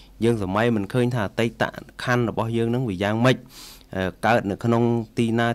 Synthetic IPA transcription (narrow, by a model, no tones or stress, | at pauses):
jəːŋsamajmɨnkʰəːɲt̪ʰaːt̪əj̚t̪a̰ʔkʰanrɔɓɑhjəːŋnɨŋʋiəjaːŋməc̚ʔəkaət̪̚nɨwkʰnoŋt̪iːnaː